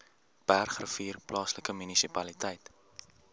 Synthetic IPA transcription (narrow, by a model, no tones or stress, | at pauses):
pærχrəfiːrplɑːsləkəmynisipɐlitəjt